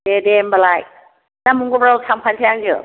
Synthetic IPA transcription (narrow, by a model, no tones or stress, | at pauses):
edembalaj | namuŋɡɔbɾawtʰaŋpʰantʰajaŋd͡ʒɯ̰